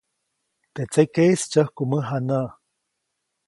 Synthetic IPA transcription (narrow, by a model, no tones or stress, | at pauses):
t̪et͡sekest͡ʃəhkuməɦana